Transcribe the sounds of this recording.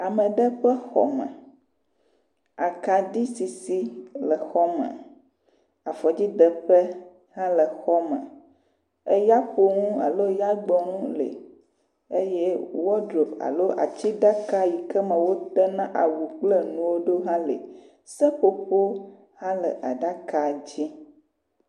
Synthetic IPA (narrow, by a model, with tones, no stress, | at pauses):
a˨mə̃˨ɖə˦ɸə˦xɔ̰˦mə̰̃˨ | a˨ka˨ɖi˦si˨si˦lə˨xɔ˦mɛ̰̃˨ | a˨fɔ˨d͡ʑi˦də˨ɸɛ˦ | hã˦lə˨xɔ˦mɛ̰̃˨ | e˦ja˦ɸo˦ŋũ˦a̰˨lo˦ja˦ɡ͡bɔ˨ŋũ˦lḛ˨ | e˦jɛ˦wɔ˦dɾo˨pa̰˨lo˦ʔa̰˨t͡ɕi˦ɖa˦ka˦ji˨kə˦mə̃˨wo˦t̪ɛ˦nã˦ʔa̰˨wu˨k͡plə˦nũ˨wo˦ɖo˦ɦã˦lḛ˨ | sə˦ɸo˦ɸo˦ | hã˦lə̰˨ʔa˨ɖa˦ka˨d͡ʑi˦